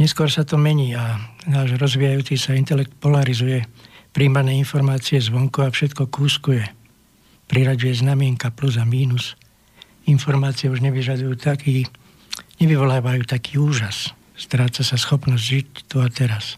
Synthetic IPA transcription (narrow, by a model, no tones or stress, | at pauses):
ɲɛskʊɔɾsat̪ɔmɛɲiːanaːʒɾɔzʋijajuːt͡sisaint̪ɛlɛk̚t̪̚pɔlaɾizujɛpɾiːmanɛːinfɔɾmaːt͡siɛzʋɔŋkuafʃɛt̪kɔkuːskujɛ | pɾiɾaɟujɛznamɪɛŋkapluzamiːnus | infɔɾmaːt͡sijɛuʒɲɛʋiʒad̪ujuːt̪akiː | ɲɛʋiʋɔlaːʋajuːt̪akʰiːuːʒas | st̪ɾaːt͡sasasxɔpnɔzɟʒict̪uat̪ɛɾas